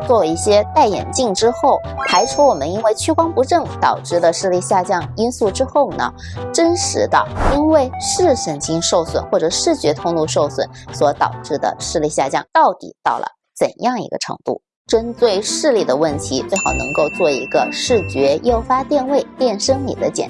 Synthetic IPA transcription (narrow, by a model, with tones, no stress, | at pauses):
t͡swɔ˥˧i˥˩ɕjɛ˥t̪a˥˩ɪjɛ̰˨˩nt͡ɕi˥˩ŋʈ͡ʂɻ̩˥xo˥˩ʊpʰa˧˥ɪʂʰu˥wɔ˨˩mə˦ni˥nwe˥˩ɪt͡ɕʰy˥kwɑ˥ŋpu˧˥ʈ͡ʂɤ˥˩ŋt̪ɑ˨˩ʊʈ͡ʂɻ̩˥˩d̪ə˩ʂɻ̩˥˧li˥˧ɕja˥˧t͡ɕjɑ˥˩ŋi˥nsu˥˩ʈ͡ʂɻ̩˥xo˥˩ʊnə̰˩ | ʈ͡ʂə˥nʂɻ̩˧˥d̪ə˥˧i˥nwe˥˧ɪʂɻ̩˥˩ɕə˨˩ŋt͡ɕi˥ŋʂo˥˩ʊswə̰˨˩nxwɔ˥˩ʈ͡ʂɤ˨˩ʂɻ̩˥˩t͡ɕɥɛ˧˥t̪ʰʊ˥ŋt̪u˥˧ʂo˥˩ʊswə̰˨˩˦nswɔ˧˥t̪ɑ˨˩ʊʈ͡ʂɻ̩˥˩d̪ə̰˨ʂɻ̩˥˧li˥˧ɕja̰˥˧t͡ɕjɑ̰˥˩ŋt̪ɑ˥˩ʊt̪ḭ˨˩t̪ɑ˥˩ʊlə̰˩ | t͡sə˨˩njɑ˥˩ŋḭ˧˥ɡə̰˧ʈ͡ʂʰɤ̰˧˥ŋt̪ṵ˥˩ | ʈ͡ʂə˥nt͡s̪we˥˧ɪʂɻ̩˥˧li˥˩d̪ə˩wə˥˩nt̪ʰi˧˥t͡swe˥˩ɪxɑ˨˩ʊnɤ̰˧˥ŋko˥˧ʊt͡swɔ˥˩ḭ˧˥ɡə˧ʂɻ̩˥˩t͡ɕɥɛ˧˥jo˥˩ʊfa˥t̪jɛ˥˧nwe˥˧ɪpjɛ˥˩nʂɤ˥ŋnḭ˨˩d̪ə˦t͡ɕjɛ̰˨˩